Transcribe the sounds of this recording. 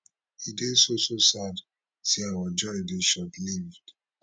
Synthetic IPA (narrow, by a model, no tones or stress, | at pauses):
hidesososad | seawad͡ʒɔɹideʃɔbilivd̥